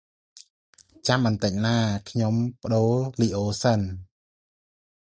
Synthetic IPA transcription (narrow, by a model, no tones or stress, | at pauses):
t͡ɕamɓɑnt̪əc̚naːkʰɲompə̆ɗoːliːʔoːsən